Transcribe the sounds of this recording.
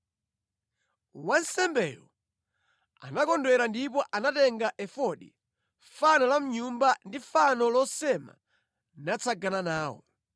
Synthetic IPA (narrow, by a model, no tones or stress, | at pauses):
wansɛmbɛːjɔ | a̰nakɔndwɛɾandipɔʔanatɛŋɡaʔɛfɔɗḭ | fanɔlam̩ɲumbandifanɔlɔsɛma̰ | nat͡sʰaɡananaːwɔ̰